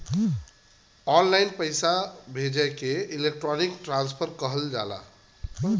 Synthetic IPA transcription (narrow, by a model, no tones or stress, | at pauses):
ɔ̃nlajnpəɪsabʱed͡ʒəjkeilek̚ʈɾɔnikʈɾãnspʰəɾkəɦəld͡ʒa̰la̰